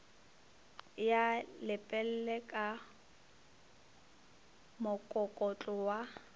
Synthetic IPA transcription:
jalɪpʼɛl̩lɛkʼa | mʊkʼɔkʼɔt͡ɬʼʊwa

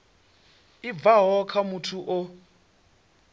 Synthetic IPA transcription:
ib̪vaɦɔkʰamutʰuʔo

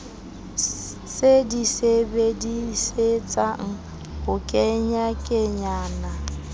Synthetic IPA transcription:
sedisebediset͡sʼaŋ̩ | hʊkʼɛɲakʼɪɲaːna

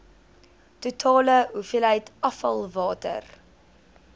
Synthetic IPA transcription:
tutʰɑːləɦufilɦəjtɐfɐ̰lˠvɑːtə̰r

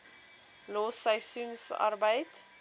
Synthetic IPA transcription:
loːsəɥsunsɑ̰rbəjt

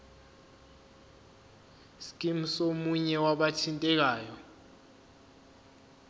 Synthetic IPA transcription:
skʼim̩somuɲɛwaɓatʰintʼɛk̬aːjɔ

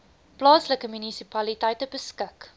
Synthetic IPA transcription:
plɑːsləkəmynisipɐlitɐjtəbəskək

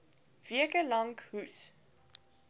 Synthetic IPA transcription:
viəkəlɐŋkɦus

